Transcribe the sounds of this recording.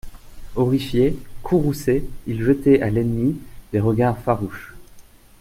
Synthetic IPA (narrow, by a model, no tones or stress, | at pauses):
ɔʁifjekʰuʁuseilʒət̪ɛʔalɛnmid̪̥eʁəɡaʁfaʁuʃ